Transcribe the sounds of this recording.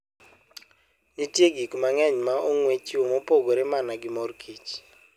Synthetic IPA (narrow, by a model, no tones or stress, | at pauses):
nitjeɡikmaŋɛɲmaoŋwet͡ʃiomopoɡoɾɛmanaɡɪmorkʰit͡ʃ